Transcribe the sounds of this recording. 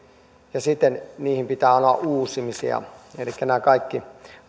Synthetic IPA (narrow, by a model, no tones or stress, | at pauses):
jɑsit̪ːˑenniːhimpit̪æːɑˑnoɑʔʔuːsˑimisḭɑ̰elikːænæːkɑikːi